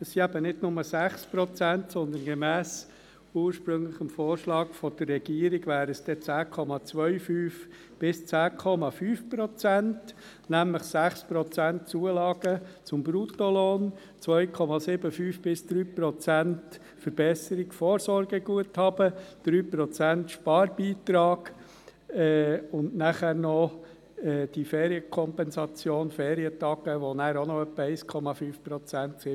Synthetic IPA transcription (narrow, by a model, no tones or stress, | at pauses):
əssiæbənɪdnʊməsæχspɾɔt͡sæntsɔnd̪ənɡ̥ɛmæːs | uːəɾʃpɾɵŋləχəmfoːɾʃlɑːɡfɔd̥ərːɛɡ̥iəɾɪɡʋæːɾəsd̥ɛt͡sæːkʰɔmɑt͡sʋœʏfyːf | b̥ɪst͡sæːkʰɔmɑfyːfpɾɔt͡sænt | næmləχsæχspɾɔt͡sæntt͡suːəlɑːɡ̥ət͡sʊmbɾut̪ɔlɔːn | t͡sʋœjkʰɔmɑsɪbəfyːfb̥ɪsd̪̥ɾyːpɾɔt͡sænt | fəɾb̥ɛsəɾɪɡfoːɾsɔɾɡəɡuəthɑb̥əd̪̥ɾyːpɾɔt͡sæntʃpɑːɾbiːt̪ɾɑːɡ̥ | ɛʊndnæχæːɾnɔ | ɛːd̥ifɛːɾiəkʰɔmpɛnsɑt͡sjoːnfɛːɾiətɑɡəʋonæːɾonoœpːəɛɪskʰɔmɑfyːfpɾɔt͡sæntsɪ